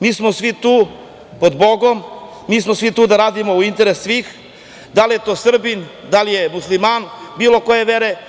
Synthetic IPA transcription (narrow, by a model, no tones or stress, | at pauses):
miːsmo̞sʋit̪uː | pod̪bo̞ɡo̞mː | iːsmosʋit̪uːd̪aɾaːd̪imo̞uint̪e̞ɾesːʋiːx | d̪alije̞t̪o̞ːsr̩bind̪alije̞muslimanbiːlo̞ko̞je̞ʋeɾe̞